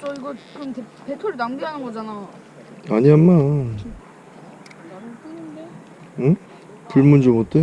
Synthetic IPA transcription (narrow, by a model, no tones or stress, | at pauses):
t͡ɕ͈ʌiɡʌkɯɯmtepetʰoɾinamɡiɦanɯnɡʌd͡ʑana | aɲiɦamːa | inde | ɯ | pɯɭmund͡ʑomot͈e